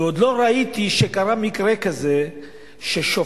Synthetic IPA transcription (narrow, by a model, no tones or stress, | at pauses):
od̪lo̞ɾait̪iʃekaɾamikɾekaze | ʃeʃo